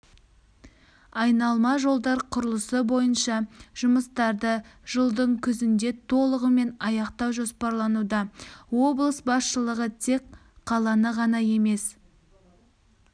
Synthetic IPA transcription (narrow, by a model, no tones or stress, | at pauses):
ɑjnɑlˠmɑʒo̞lˠd̪ɑɾqʰʊɾəlˠəsəbo̞jənʃɑʒ̥ʊməst̪ɑɾd̪əʒ̥əlˠd̪əɴkʲʰʏzɪnd̪e̞t̪ʰo̞lˠəʁəme̞nɑjɑqt̪ɑwʒospɑɾlˠɑnud̪ɑwo̞blˠəsbɑsʃəlˠəʁət̪ʰe̞k | qʰːɑlˠɑnəʁɑnɑje̞me̞s